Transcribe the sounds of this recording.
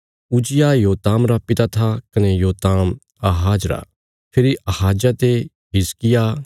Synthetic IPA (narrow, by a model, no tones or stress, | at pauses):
ʊd͡ʒɪjajoːt̪aːmɾapɪt̪at̪ʰakɐnejoːt̪aːm | ɐɦaːd͡ʒɾa̰ | pʰɪɾiʔɐhaːd͡ʒat̪e | ɦɪskɪja